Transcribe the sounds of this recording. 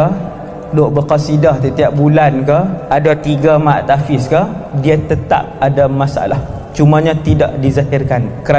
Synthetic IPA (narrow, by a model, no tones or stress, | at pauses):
doʔbəkasidahsət̪iap̚bulankaadat̪iɡamaʔt̪afɪskadiat̪ət̪a̰p̚adamasaa̰lah | t͡ʃumaɲat̪ida̰ʔdizahɪrkankəɾa